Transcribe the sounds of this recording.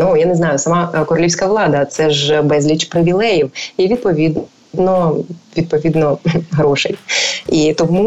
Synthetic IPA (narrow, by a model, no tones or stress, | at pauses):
nujanɛznɑjʊsɐmɑkɔɾɔlʲiwsʲkɐʋlˠɑd̪ɐt̪sɛʒbɛzʲlʲit͡ʃpɾɪʋʲilˠɛjiwjɛʋʲid̪̚pɔʋʲid̪ | nɔʋʲid̪̚pɔʋʲid̪nɔɦɾɔʃɛjit̪ɔmu